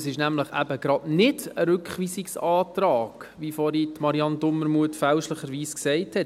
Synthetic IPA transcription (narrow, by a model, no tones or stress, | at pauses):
sɪʃnæmləχæ̰bəɡ̥ɾɑdnɪd̥əɾʏkχʋiːsiksɑːtɾɑːɡ̥ʋifɔɾitmɑɾiɑndʊmːəɾmuətfælʃləχəɾʋiːsksɛɪthɛt